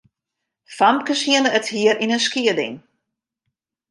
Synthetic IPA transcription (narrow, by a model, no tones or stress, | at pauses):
famkəshiənəːthiəɾʔinənskiədɪ̰ŋ